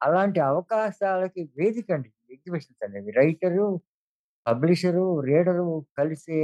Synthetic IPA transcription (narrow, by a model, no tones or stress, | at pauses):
ɐlaːɳʈiɐʋɐkaːʃaːlɐkiʋe̞ːd̪ikɐɳɖi | eɡ̚d͡ʒibiʂɐnsɐneːd̪iɾɐjʈɐɾu | pɐbliʂɐɾuɾeːɖɐɾukɐlise